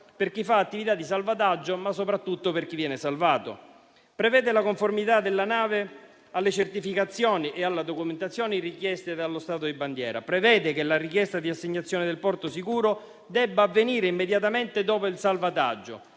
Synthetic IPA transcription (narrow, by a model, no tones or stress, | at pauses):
perk̟ifaːt̪ːivit̪ad̪ːisalvat̪ad͡ʒːomas̬ːopɾat̪ːut̪ːoperk̟ivːjɛːnɪsalvaːt̪o̰ | pɾɛvɛːd̪elakoɱformit̪ad̪elːanaːve | alːet͡ʃert̪ifikat̪sːjɔːniʔealːad̪okument̪at̪sjɔːnirikjɛst̪ed̪alːost̪aːt̪od̪iband̪jɛ̰ːɾa̰pɾɛvɛːd̪ekelarik̟jɛst̪ad̪iasːeɲːat̪sːjɔːnɪd̪elpɔrt̪osikuːɾo | d̪ɛbːaːvːeniːɾeimːed̪jat̪ament̪ed̪ɔːpoilsalvat̪a̰d͡ʒːo̰